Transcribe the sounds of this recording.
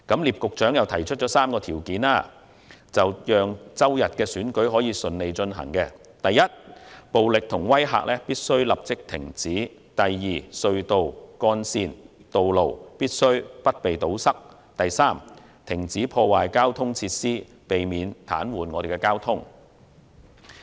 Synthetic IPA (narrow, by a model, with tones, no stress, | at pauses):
kɐ˨˥mliː˨p̚kʊ˨k̚t͡ʃœː˨˥ŋjɐ˨wt̪ʰɐ˨˩jt͡ʃʰɵ˥t̚t͡ʃɔː˨˥saː˥mkɔː˧t̪ʰiː˨˩wkiː˨˥naː˥ | t͡sɐ˨wjœː˨ŋt͡sɐ˥wjɐ˨t̚kɛː˧syː˨˥nkɵ˨˥ɥɦɔː˨˥jiː˨˧sɵ˨nle˨˧jt͡ʃɵ˧nɦɐ̰˨˩ŋkɛ˧ | t̪ɐ˨jːɐ˥t̚po˨wlɪ˨k̚t̪ʰʊ˨˩ŋwɐ˥jɦa̰ː˨k̚lʔɛː˥piː˥t̚sɵ˥ɥlɐ˨p̚t͡sɪ˥k̚t̪ʰɪ̰˨˩ŋt͡siː˨˥ | t̪ɐ˨˩jːiː˨˩sɵ˧ɥt̪o˨wkɔː˥nsiː˧nt̪o˨wlo˨wpiː˥t̚sɵ˥ɥpɐ˥t̚pe˨jt̪o˨˥wsɐ˥k̚ | t̪ɐ˨jsaː˥m | t̪ʰɪ˨˩ŋt͡siː˨˥pʰɔː˧waː˨jkaː˥wt̪ʰʊ˥ŋt͡sʰiː˧t̚siː˥ | pe˨jmiː˨˧nt̪ʰa̰ː˨˥nwuː˨˩nŋɔː˨˧ɾe˨˩kɛ˧kaː˥wt̪ʰʊ˥ŋ